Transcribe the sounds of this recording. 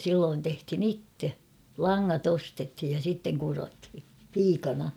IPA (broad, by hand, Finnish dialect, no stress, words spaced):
silːoːn tehthin itːe lɑŋːɑt ostethij jɑ sitːeŋ kurothi piːkɑnɑ